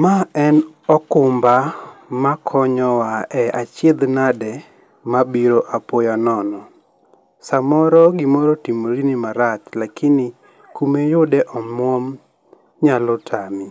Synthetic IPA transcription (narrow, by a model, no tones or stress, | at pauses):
maɛnɔkʊmbamakʰɔɲɔwaʔɛʔat͡ʃed̪nadɛ | mabiɾoʔapojanɔnɔ | samɔɾɔɡɪmɔɾɔtimoɾinɪmaɾat̪lakɪnɪ | kumejʊdɛʔɔmwɔm | ɲalɔtʰami